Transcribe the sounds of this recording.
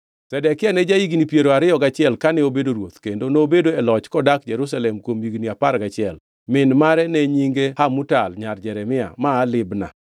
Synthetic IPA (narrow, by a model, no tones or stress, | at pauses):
tɛdɛkɪanɛd͡ʒaiɡnipjeɾoaɾɪjɔɡat͡ʃɪɛlkanɛobedoɾwot̪kendonoːbedoɛlɔt͡ʃkɔdak̚d͡ʒɛɾus̬alɛmkwomiɡniapaɾɡat͡ʃɪɛl | mɪnmaɾɛnɛɲiŋɡehamutalɲard͡ʒɛɾɛmɪa̰maːlɪbna̰